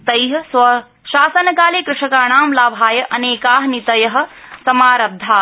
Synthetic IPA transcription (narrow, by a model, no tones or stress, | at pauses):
t̪ɐjɦɐsʋɐ | ʃaːsɐnɐkaːleːkɾɪʂɐkaːɳaːmlaːbʱaːjɐʔɐneːkaːɦɐnit̪ɐjɐɦɐ̆sɐmaːɾɐb̚d̪ʱːaː